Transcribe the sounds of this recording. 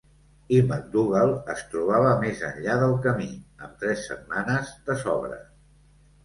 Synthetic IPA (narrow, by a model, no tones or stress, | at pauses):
imək̚d̪uɣəlˠəst̪ɾuβ̞aβəmezə̰nʎaðəlˠkəmiəmt̪ɾɛsːə̰t̪̚manəzd̪əsɔβɾə̰